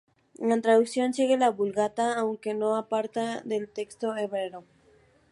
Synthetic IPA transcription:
ant̪ɾaðuksjo̞nt͡ʃeɣelaβulɣat̪aːwŋke̞no̞apaɾt̪aðe̞lt̪e̞kst̪o̞eβɾeɾo̞

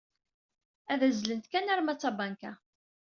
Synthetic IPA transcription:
æðæzlənt̪kænæɾmæt͡sːɑbɑŋkæ

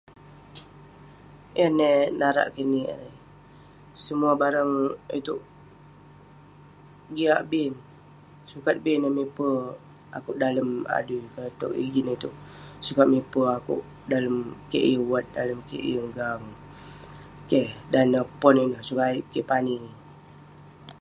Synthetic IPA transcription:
ʔanenaɾa̰ʔkənḭɾe | səmuabaɾəŋit̪uʔ | ɡiaʔbin | sukat̪̚binəmipə | a̰kʊʔdaləma̰dukət̪o̰ʔḭd͡ʒinit̪uʔsukat̪̚mipəakʊ̰ʔ | daləmkḛʔjəwat̪̚daləmkḛʔjəŋɡaŋ | kehdanːəpɔninəhsukaiʔkepani

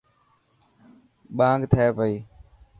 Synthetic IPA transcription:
ɓãːŋɡt̪ʰeːpəiː

